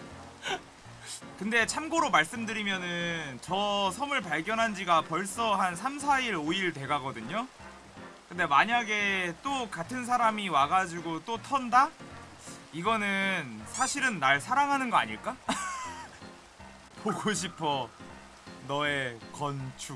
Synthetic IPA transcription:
kɯnde̞t͡ɕʰamɡoɾomaɭs͈ɯmdɯɾimjʌnɯnt͡ɕʌsʰʌmɯɭp̬aɭɡjʌnɦand͡ʑiɡapʌɭs͈ʌɦansʰams̬ʰaiɾoiɭtwe̞ɡaɡʌdɯɲo | kɯnde̞maɲaɡe̞t͈okatʰɯnsʰaɾamiwaɡad͡ʑiɡot͈otʰʌnda | iɡʌnɯnsʰaɕʰiɾɯnːaɭsʰaɾaŋɦanɯnɡʌa̰ɲiɭk͈a | poɡoɕ̬ʰipʰʌ | nʌe̞kʌnt͡ɕʰu

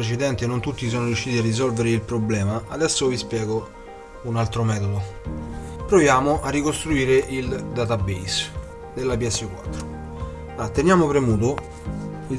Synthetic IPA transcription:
ɾet͡ʃid̪ɛnt̪enont̪ut̪ːis̬ɔːnoɾjuʃːiːt̪iarːizɔlveɾeilpɾoblɛːmaad̪ɛsːovispjɛːɡo | unalt̪ɾomɛːt̪od̪o | pɾovjaːmoʔarːikost̪ɾuiːɾeʔild̪at̪abejs | d̪elːapiɛsːukwat̪ːɾo | at̪ːenjaːmopɾemuːt̪̬o | i

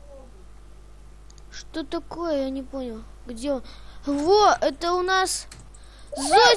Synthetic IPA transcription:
ʂt̪ot̪ɐko̞jəjanʲɪpo̞nʲɪlˠ | ɡdʲeonvoɛt̪əʊnas | zo

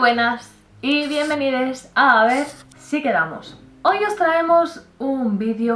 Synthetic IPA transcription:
wenas | iβje̞mbeniðesaβeɾ | sikeðamo̰s | ojost̪ɾaemosumbiðjo

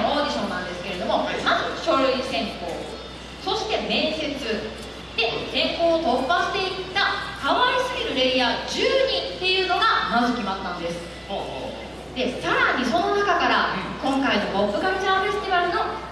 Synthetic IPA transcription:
oːd̪ʲiɕõ̞nːãnd̪e̞sɨ̥ke̞ɾe̞d̪o̞mo̞mazɨɕo̞ɾɯ̟isẽ̞ŋko̞̰ː | so̞ɕi̥t̪e̞mẽ̞ɰ̃se̞t͡sɨ | d̪̥e̞k̪ẽ̞ŋko̞ːt̪o̞pːaɕi̥t̪e̞itt̪ːakaβaisɨɡʲiɾɯ̟ɾe̞iaːd͡ʑɨːɲ̟ĩt̪ːe̞jɯ̟ːno̞ɡamazɨkʲimat̪ːãnd̪e̞sɨ̥ | d̪e̞saɾaɲ̟iso̞no̞nakakaɾakõ̞ŋkainobo̞pːɯ̟kamɯt͡ɕãfe̞sɨ̥t̪iβaɾɯ̟no̞

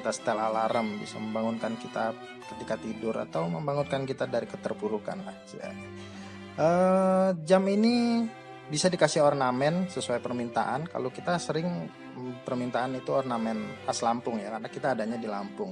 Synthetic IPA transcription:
it̪asə̥t̪əlalaɾəmbḭsaməmbaŋʊnkankit̪a | kət̪ikat̪idʊɾa̰t̪awməmbaŋʊnkankit̪adaɾikət̪ərpuɾuka̰na̰d͡ʒja̰ | ʔə | d͡ʒamini | bisadikasɪhɔrnamɛnsəsuajpərmint̪a̰ʔanka̰lokit̪asəɾɪŋ | pərmint̪aːnit̪uɔrnamɛnpaslampʊŋjakarnakit̪aːdaɲadilampʊŋ

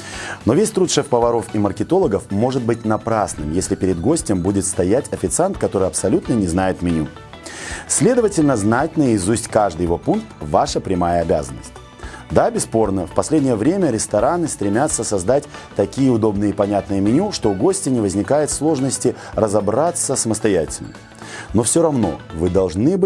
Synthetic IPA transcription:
no̞vʲesʲt̪ɾut̪ʂɛfpəvɐɾo̞fimərkʲɪt̪o̞lˠəɡəfmo̞ʐɨt̪̚bɨt̚ʲnɐpɾasnɨmjesʲlʲɪpʲɪɾʲɪd̪ɡo̞sʲtʲɪmbudʲɪt̪st̪ɐjatʲɐfʲɪt̪sɨant̪kɐt̪o̞ɾɨjɐpsɐlʲut̪nənʲɪznajɪt̪mʲɪnʲu | sʲlʲe̞d̪əvətʲɪlʲnəznatʲɪnəjəɪzusʲtʲkaʐd̪ɨjɪvo̞punk̚t̪vaʂəpɾʲɪmajəɐbʲa̰zənːə̰sʲtʲ | d̪abʲɪspo̞rnəfpɐsʲlʲedʲnʲɪjəvɾʲemʲəɾʲɪst̪ɐɾanɨst̪ɾʲɪmʲat̪sːəsɐzd̪atʲ | t̪ɐkʲijəʊd̪o̞bnɨjəɪpɐnʲat̪nɨjəmʲɪnʲuʂt̪o̞ʊɡosʲtʲɪnʲɪvəzʲnʲɪkajɪt̪slˠo̞ʐnəsʲtʲɪ | rəzɐbɾat̪səsəməst̪ɐjætʲɪlʲnə̰m | no̞fsʲoɾɐvno̞̰vɨd̪ɐlˠʐnɨbɨ

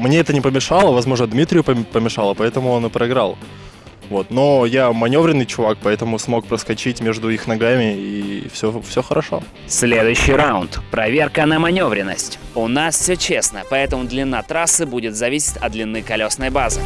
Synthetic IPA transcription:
mnʲeɛt̪ənʲɪpəmʲɪʂɑlˠəvɐzmo̞ʐnəd̪mʲit̪ɾʲɪjʊəpəmʲɪʂɑlˠəpɐɛt̪əmʊo̞nɨpɾəɪɡɾalˠ | vo̞t̪no̞jamɐnʲo̞vɾʲɪnːɨjt͡ɕʊvak̚pɐɛt̪əmʊsmo̞k̚pɾəskɐt͡ɕitʲmʲeʐd̪ʊixnɐɡamʲɪifsʲofsʲoxəɾʔɐʂo̞̰ | sʲlʲed̪ʊjʉɕːɪjɾawʊnt̪pɾɐvʲe̞rkənəmɐnʲo̞vɾʲɪnːə̰sʲtʲʊnasfsʲɵt͡ɕesnəpɐɛt̪əmʊd̪lʲɪnːat̪ɾasːɨbudʲɪt̪zɐvʲisʲɪ̥t̪ʲɐ̰d̪d̪lʲɪnːɨkɐlʲo̞snəjbazɨ

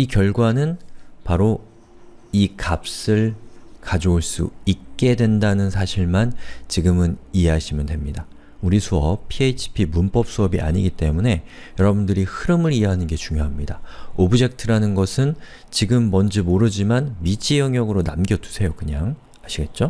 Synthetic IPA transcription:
ikjʌɭɡwanɯnpaɾo | ikap̚s͈ɯɭkad͡ʑooɭs͈ṵik̚k͈e̞dwe̞ndanɯnsʰaɕʰiɭmant͡ɕiɡɯmɯniɦe̞ɦaɕʰimjʌndwe̞mɲida | uɾisʰuʌppʰieit͡ɕʰi̥pʰimunp͈ʌp̚s͈uʌbiʔa̰ɲiɡit͈e̞mune̞ | jʌɾʌbundɯɾihɯɾɯmɯɾiɦeɦanɯnɡe̞t͡ɕuŋjoɦamɲidaobud͡ʑe̞k̚tʰɯɾanɯnɡʌsʰɯn | t͡ɕiɡɯmːʌnd͡ʑimoɾɯd͡ʑimanmit͡ɕʰijʌŋjʌɡɯɾona̰mɡjʌtʰu̥sʰe̞jokɯɲaŋ | aɕʰiɡe̞t̚t͡ɕ͈o

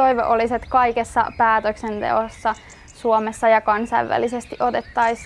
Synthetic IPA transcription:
oiʋḛʔoliset̪kɑikesːɑ̰pæːt̪øksent̪ḛosːɑ | suomesːɑjɑkɑnsɑ̰iʋʋæ̰lisest̪iʔot̪et̪ːɑis

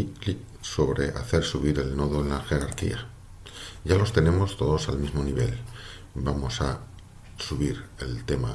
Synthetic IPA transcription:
li | so̞βɾe̞̰ʔa̰θe̞ɾsuβiɾe̞lno̞ðoenlaxe̞ɾaɾkḭa | ɟ͡ʝalo̞st̪e̞ne̞mo̞st̪o̞ðo̞salmizmo̞niβ̞e̞̰l | bamo̞sa | suβ̞iɾe̞lt̪e̞ma

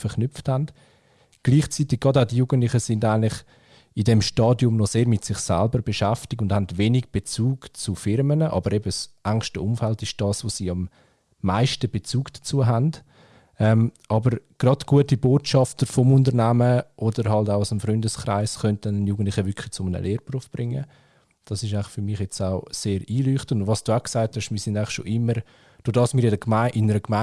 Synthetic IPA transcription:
fəɾknʏfthand | ɡ̥liːχt͡siːtɪɡ̥̚ɡ̥ɑdaʊdijuːɡ̥əntlɪχəsɪndaɪnlɪχ | idɛmʃtɑːdjʊmnɔseːɾmɪtsɪχsɛ̰lbəɾb̥eʃɛftɪk̚ʊndhandvenɪɡ̚b̥et͡suːɡt͡sufɪɾmənəʔɑ̰bəɾɛbəsʔaŋʃtəʊmfɛltɪʃd̥ɑːsvosiːɑmː | aɪʃtəb̥et͡suːɡd̥ḁt͡suəɦand | ɛmʔɑbəɾɡ̥ɾɑdɡ̥uətiboːtʃɑftəɾfɔmʊntəɾnæməʔɔd̥əɾɦɑltaʊasəmfɾʏndəskɾa̰ɪsχœnt̚dɛnənjuːɡən̩tˡlɪχəvʏkʰlɪt͡sʊmənə̰lʔeːɾprufb̥ɾɪŋːə | d̥ɑsɪʃaɪχfʏɾmɪχjɛt͡saʊseːɾiːlyːχtəndvɑsd̥uːaʊksaɪthɛʃmiːɾsɪndaɪχʃo̰ʔɪmːəɾ | d̥odɑːsmiːɾjdəkmaɪʔɪnəɾəkma

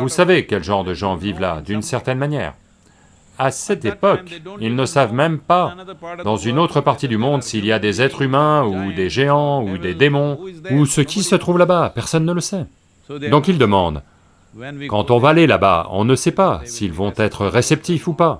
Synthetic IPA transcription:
vusavekʲɛlʒɑ̃ʁd̪əʒɑ̃vivla̰d̪ynsɛʁt̪ɛnmanjɛ̰ːʁ | asɛt̪epɔkilnəsavmɛmpad̪ɑ̃zynot̪χəpaʁt̪id̪ymɔ̃d̪siːlijad̪ezɛt̪χymɛ̃ud̪eʒeɑ̃ud̪ed̪emɔ̃usəkʲisət̪χuvlabapɛʁsɔnːələsɛ | d̪ɔ̃kild̪əmɑ̃d̪ | kɑ̃t̪ɔ̃vaːlelaba̰ɔ̰̃nəsɛpasiːlvɔ̃t̪ɛt̪χəʁesɛp̚t̪ifupa

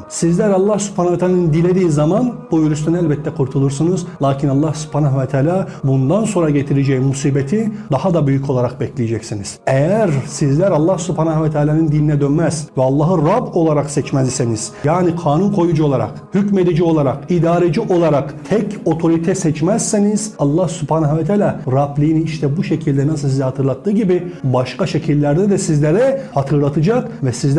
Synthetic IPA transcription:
sizlʲæɾɑlˠːahsy̥pʰhanavɛt̪ʰaːlanɯnd̪ilʲed̪iːzamanbujyɾyst̪ʰynælʲbɛt̪ʰːɛkʰuɾt̪ʰulˠuɾsɯnɯzlˠaːcʰinɑlˠːahsu̥pʰaːnavɛt̪ʰaːlʲaːbund̪anso̞nɾaɟet̪ʰiɾed͡ʒɛjmusiːbet̪ʰid̪ahad̪abyjycʰo̞lˠaɾaq̚bɛclʲijed͡ʒɛcsiniz̥ejæɾsizlʲæɾɑlˠːahsypʰaːnahvɛt̪ʰaːlʲaːnɯnd̪ilʲinɛd̪ønmɛzvɛɑlˠːaːɦɯɾabo̞lˠaɾaqsɛt͡ʃmɛziseniz̥jaːnikʰaːnunkʰo̞jud͡ʒuo̞lˠaɾa̰k | hycme̞d̪id͡ʒio̞lˠaɾakid̪aːɾed͡ʒiʔo̞lˠaɾakt̪ʰɛco̞t̪ʰo̞ɾit̪ʰɛsɛt͡ʃmæzseniz̥ɑlˠːahsyphaːnavɛt̪ʰalʲaːɾablʲijːniiʃt̪ʰɛbuʃecʰilʲd̪ɛnasɯlˠsizɛhat̪ʰɯɾlˠat̪ʰːɯːɟibibaʃkʰaʃecʰilʲːæɾd̪ɛd̪ɛsizlʲeɾɛhat̪ʰɯɾlˠat̪ʰɯd͡ʒakvɛsiz

